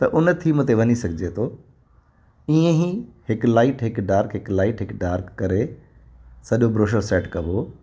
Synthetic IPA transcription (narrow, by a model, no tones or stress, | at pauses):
t̪ɐʔʊnt̪ʰiːmət̪eʋɐɲisɐɡʱɪd͡ʑet̪ʰoː | ĩːẽɦihɪklaːɪʈɦɪkɖaːɾkɦɪklaːɪʈɦɪkɖaːɾkːɐɾe | sɐʄobɾoːʃ̬osɛːʈkɐʋoː